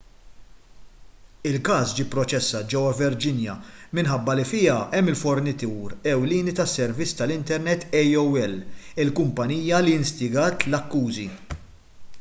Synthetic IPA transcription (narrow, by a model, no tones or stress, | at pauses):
ɪlkɐːsd͡ʒiːpːɾɔt͡ʃɛsːɐt̪̚d͡ʒɛwːɐvɛɾd͡ʒɪnjɐmɪnħɐbːɐlifɪːɐʔɛmːɪlfɔɾnɪt̪uːɾɛwliːnit̪ɐsːɛɾvɪt͡sːt̪ɐlɪnt̪ɛɾnɛt̪ːɛjɔwɛlːɪlkʊmpɐniːjɐlijɪnst̪ɪɡɐːt̪lɐkːuːzi